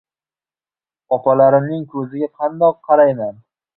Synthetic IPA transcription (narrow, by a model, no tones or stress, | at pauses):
ɒpʰalaɾɪmnɪŋkʰɵzɪɡʲaqʰɑnd̪ɒqʰːɑɾajman